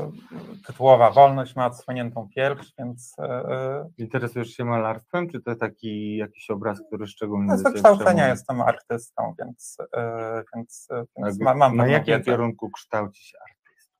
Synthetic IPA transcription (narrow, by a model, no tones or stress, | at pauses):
t̪ɘt̪uwɔvavɔlnɔɕt͡ɕmaɔt̪swɔɲɛnt̪ɔ̃w̃pʲjɛɾfʂvʲjɛnt̪s | int̪ɛɾɛsujɛʂɕɛmalaɾst̪fɛmt͡ʂɘt̪ɔt̪akʲijakʲi̥ɕɔbɾask̚t̪uɾɘʂt͡ʂɛɡulɲɛaɔkʂt̪awt̪sɛɲajɛst̪ɛma̰ɾt̪ɘst̪ɔ̰̃w̃vʲjɛ̰nt̪s | vʲjɛnt̪svʲjɛnmamamnaajjakʲimkʲɛɾuŋkukʂt̪awt͡ɕi̥ɕɛaɾt̪ɘst̪